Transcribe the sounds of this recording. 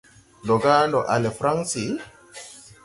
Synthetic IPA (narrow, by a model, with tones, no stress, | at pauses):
lɔ˨ɡa˦nɔ˨ʔa˨le˨fɾa˦ŋsi˨